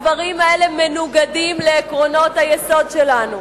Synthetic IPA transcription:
vaʁimae̞le̞menuɡadimleːkʁo̞no̞t̪hajeso̞dʃelanu

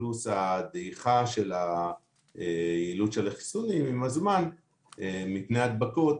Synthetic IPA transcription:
lusad̪eiχaʃe̞la | ejiluʃelaχi̥sunimimazman | emipneat̪bako̞t

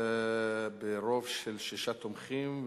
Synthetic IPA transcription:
beɾovʃelʃiʃat̪omχim

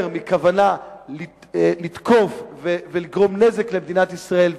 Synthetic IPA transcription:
ʁmikavanali | lid̪kʰo̞fveveliɡʁo̞mne̞zeklemed̪inat̪isʁae̞l

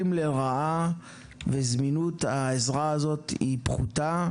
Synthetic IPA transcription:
imleʁaa | vezminut̪aezʁaazo̞tipχuta

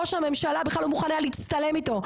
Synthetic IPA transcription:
oʃame̞mʃalabeχlalumuχanaliit͡st̪ale̞mit̪o̞

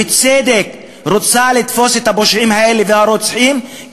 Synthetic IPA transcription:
ɪt̪seːd̪ek | ɾot͡saʕlet̪foset̪haboʃʕimhaʔelːevehaɾot͡sħim

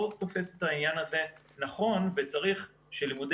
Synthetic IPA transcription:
od̪̚tofe̞set̪hainjanaze̞ | naχo̞nvet͡saʁiχ | ʃelimud

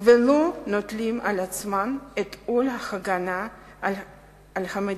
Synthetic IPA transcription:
velonot̪limalat͡smanet̪kolhaxaɡana | alhame

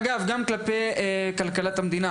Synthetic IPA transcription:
ɡaɐfɡaːnklɐpekɐlkɐlɐt̪ɐmd̪ina

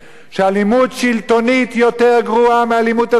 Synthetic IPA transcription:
ʃealimudʃilt̪o̞nit̪jo̞t̪e̞ʁɡʁuamealimut̪a

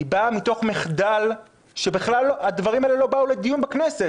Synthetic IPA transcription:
bamito̞χmeχd̪al | ʃe̞biχlalːoad̪vaʁimaelelo̞baule̞d̪ijunbaknese̞

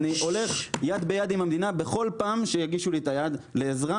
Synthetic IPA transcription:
niʔo̞le̞χjad̪be̞jad̪imamd̪inabe̞χo̞lpaːmʃejaɡiʃulit̪ajad̪le̞ːzʁa

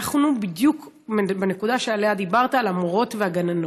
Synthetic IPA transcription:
aχnubid̪juk | benekudaʃealehad̪ibaʁt̪aːlamoʁo̞tveaɡanano

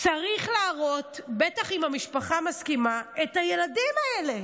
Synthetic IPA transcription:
t͡saʁiχlaːʁo̞tbe̞taχimhamiʃpaχamaskimaethaje̞ladimaele̞

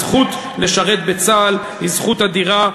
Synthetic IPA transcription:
χut̪ | le̞ʃaʁet̪̚be̞t͡saːl | hizχut̪ad̪iʁa

